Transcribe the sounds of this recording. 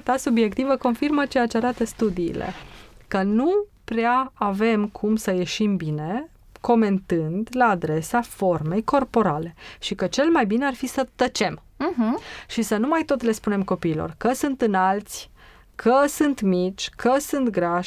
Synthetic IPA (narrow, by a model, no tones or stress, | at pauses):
t̪asubje̞kt̪ivəko̞nfirmət͡ʃe̞jat͡ʃeaɾat̪əst̪ud̪ḭːlḛkənupɾeaːve̞mkʰumsəje̞ʃimbine̞ | ko̞me̞nt̪ɨnd̪laːd̪ɾe̞safo̞rme̞jko̞rpo̞ɾale̞ʃikət͡ʃe̞lmajbinearfisət̪ət͡ʃe̞m | ɦʃisənumajt̪o̞t̪le̞spune̞mko̞piːlo̰rkəsɨnt̪ɨnalt̪sʲ | kʰəsɨnt̪mit͡ʃʲkʰəsɨnt̪ɡɾaʃ